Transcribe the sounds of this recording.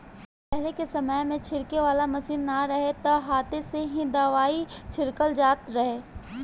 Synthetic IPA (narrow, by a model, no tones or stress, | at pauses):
pɛɦlekesɐməjmẽt͡ʃʰɪɾkeʋaːlamɐsiːnːaɾɐɦet̪ɐɦaːt̪eseɦĩd̪aːʋaːit͡ʃʰɪɾkəld͡ʒaːt̪ɾɐɦeː